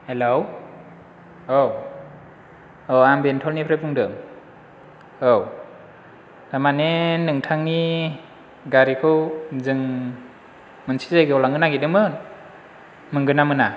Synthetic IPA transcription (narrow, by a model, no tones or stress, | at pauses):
helow | ow | oambentʰɔlnipʰɾepʰuŋdɯm | ow | d̥amanenɯŋtʰaŋːi | ɡaɾikʰɯwzɯŋ | mɯnsizajɡɯɔlaŋɯnaɡidɯmɯn | mɯŋɡɯnamɯna